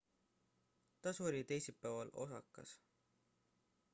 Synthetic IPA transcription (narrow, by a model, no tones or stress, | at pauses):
t̪ɑsoɾlʲit̪ejsipːævɑlo̞̰sɑ̰kːˑɑ̰s